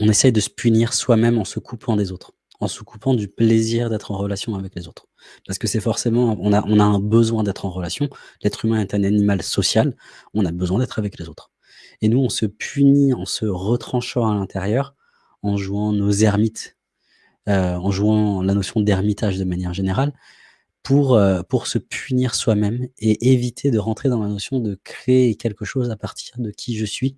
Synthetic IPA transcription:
ɔ̃nesɛjd̪əsə̥pyniʁswamɛmɑ̃səkʰupʰɑ̃d̪ezot̪χ | ɑ̃səkupʰɑ̃d̪ypleziʁd̪ɛt̪χɑ̃ʁəlasjɔ̃avɛklezot̪χ | paʁsə̥kəsɛfɔʁsemɑ̃ʔɔ̃naʔɔ̃naɛ̃bəzwɛ̃d̪ɛt̪χɑ̃ʁəlasjɔ̃lɛt̪χymɛ̃ɛt̪ananimalsɔsjalɔ̃nabəzwɛ̃d̪ɛt̪χavɛklezot̪χ | enuɔ̃səpʰyniɑ̃səʁət̪χɑ̃ʃɑ̃alɛ̃t̪ʰeʁjœːʁ | ɑ̃ʒuɑ̃nozɛʁmit̪ | øɑ̃ʒuɑ̃lanosjɔ̃d̪ɛʁmit̪aʒd̪əmanjɛʁʒeneʁal | puʁøpuʁsəpyniʁswamɛmeʔevit̪ʰed̪əʁɑ̃t̪χed̪ɑ̃lanɔsjɔ̃d̪əkχeːkʲɛlkəʃozapaʁt̪ʰiʁd̪əkʲʰiʒəsɥi

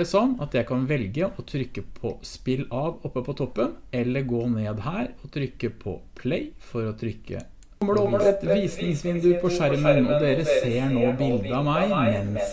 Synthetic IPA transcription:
ɖɛsɔnːɑt̪jæɪkʰɑnʋɛlɡəʔɔt̪ʰɾʏkːəpʰɔspɪlːɑʋɔpːəpɔt̪ʰɔpːənɛlːəɾɡoːneːd̪hæːɾɔt̪ʰɾʏkːəpʰɔ̰pʰleɪfɔɾɔt̪ʰɾʏkːə̰ | mːəɖʉɔəɛt̪ʋiːsnɪŋsʋɪnd̪ʉpʰɔʃæɾmənɔ̰d̪eːɾəseːɳoːbɪld̪əɑmæɪmɛns

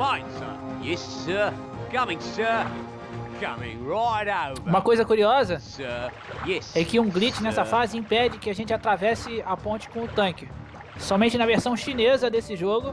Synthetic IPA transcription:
fãɪ̃nsə̰ | jɛssə | kʰʌmɪ̃ŋsə | kʰʌmɪ̰̃ŋɹaɪɾaʊtũmɐkojzɐkuɾiɔzɐsə | jɛsɛkɪũɡlit͡ʃɪnɛssɐfazɪĩpɛd͡ʒɪkɪaʒẽnt͡ʃɪat̪ɾavɛsɪapõnt͡ʃɪ̥kõʊt̪ɐ̃kɪ | sɔmẽt͡ʃɪnɐveɾsɐ̃w̃ʃinezɐd̪esɪʒoɡʊ

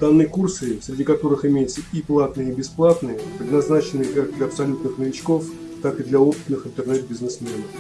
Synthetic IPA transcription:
d̪̥anːɨjəkursɨfsʲɾʲɪdʲikɐt̪o̞ɾɨxɪmʲejɪt̪səiplˠat̪nɨjəːbʲɪsplˠat̪nɨjəpɾʲɪd̪nɐznat͡ɕɪnːɨkak̚d̪lʲɐɐpsɐlʲut̪nɨxnəvʲɪt͡ɕko̞f | t̪akɨd̪lʲɐopɨ̥t̪nɨxɨnt̪ərnɛt̪̚bʲɪznɨsmʲenəf

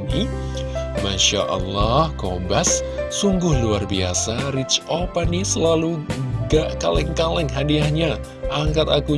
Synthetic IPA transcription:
i | maʃa̰ʔɑ̰lːɑhkobasː | uŋɡʊhluarbia̰saɾit͡ʃopanisəlaluɡakalɛŋkalɛŋɦadiahɲa | ʔaŋkat̪aku

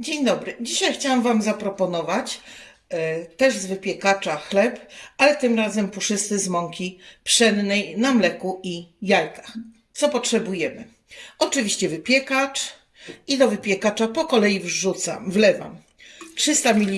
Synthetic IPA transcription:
d͡ʑeɲd̪ɔbɾɘd͡ʑiɕajxt͡ɕawamvamzapɾɔpɔnɔvat͡ɕ | t̪ɛʐzvɘpʲjɛkat͡ʂaxlɛpalɛt̪ɘmɾazɛmpuʂɘst̪ɘzmɔŋkʲipʂɛnnɛjnamlɛkuʔijajkḁx | t̪sɔpɔtʂɛbujɛmɘ̰ | ɔt͡ʂɘvʲiɕt͡ɕɛvɘpʲjɛkat͡ʂ | id̪ɔvɘpʲjɛkat͡ʂapɔkɔlɛjivʐut̪sa̰mvlɛva̰m | tʂɘst̪amʲilʲi

